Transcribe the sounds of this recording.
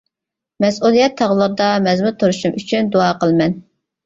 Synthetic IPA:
mɛsulˠijɛt̪ʰːɑʁlˠɨɾd̪ɑmɛzmɨt̪ʰoɾuʃumyt͡ʃʰynd̪uɑːqəlˠmɛn

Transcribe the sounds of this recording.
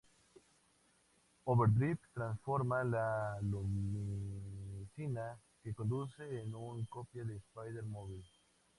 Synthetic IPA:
oβeɾd̪ɾipt̪ɾansfoɾmalalumiiisina | kekond̪useːnuŋkopjaðespajðeɾmoβil

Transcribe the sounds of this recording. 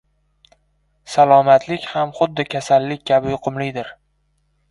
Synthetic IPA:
salˠɒmat̪ʰlɪkʲhamχʊd̪ːɪkʲʰasalːɪkʲkʲːʰabɪjʊqʰʊmlɪjd̪ɪɾ

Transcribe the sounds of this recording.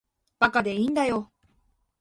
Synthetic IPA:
b̥akad̪e̞ĩnd̪ajo̞

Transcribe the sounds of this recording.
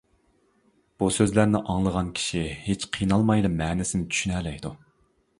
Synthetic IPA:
b̥usøzlæɾnɪʔɑŋlˠəʁɑnkʲʰi̥ʃihet͡ʃqʰijnɑlˠmɑjlˠɨmːɛːnɪsɪnɪt͡ʃ̪ʰy̥ʃynɛlɛjd̪u

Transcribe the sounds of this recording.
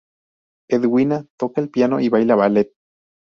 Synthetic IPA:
eðwinat̪okaelpjano̰ʔiβajlaβalet̪̚

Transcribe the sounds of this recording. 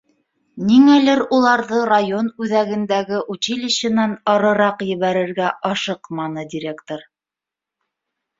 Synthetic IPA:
niŋælɘɾulˠɑɾðɤrajonʉðæɡɘ̆nd̪æɡɘʔut͡ɕilɘ̆ɕɘ̆nænɑɾɤ̆ɾɑqjɘ̆βæɾɘ̆ɾɡæʔɑʃɤqmɑnɤd̪ʲiɾʲe̞kt̪oɾ

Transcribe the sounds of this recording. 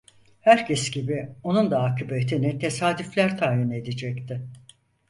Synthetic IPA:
hæɾcʰɛsɟibio̞nund̪aakʰɯbet̪ʰinɪt̪ʰe̞saːd̪yflʲæɾt̪ʰaːjine̞d̪ed͡ʒɛct̪ʰɪ

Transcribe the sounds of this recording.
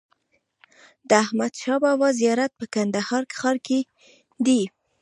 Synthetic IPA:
d̪əahmad̪ʃɑbɑwɑzijɑɾat̪̚pəkand̪ahɑɾkxɑɾke | d̪i

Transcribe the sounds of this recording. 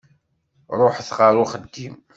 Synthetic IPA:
ɾˤoħθʁɑɾuχəd̪ːim

